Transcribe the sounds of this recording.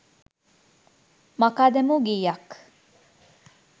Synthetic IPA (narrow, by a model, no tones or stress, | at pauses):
mɐkaːd̪emuɡiːjak